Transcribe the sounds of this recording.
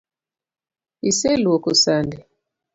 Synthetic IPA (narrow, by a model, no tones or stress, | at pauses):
iselwokusandi